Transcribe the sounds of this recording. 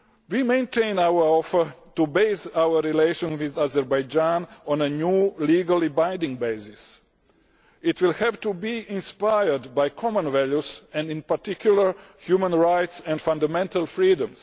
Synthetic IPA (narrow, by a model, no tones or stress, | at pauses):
wimẽj̃ntʰẽɪ̃nawəɔfətubeɪsawəːileʃə̃nwiðazɛɾbajd͡ʒãnɔ̃nənuːliːɡalˠibãjndĩŋɡbeɪzɪs | itwɪlhɛvtubiĩnspajəɹdbajkʰɔmə̃nvɛljusɛ̃ndĩnpaɾt̪ikʰjuləɹhjuːmə̃nɹajtsɛ̃ndfãndamɛ̃ntalˠfɾiːdə̃ms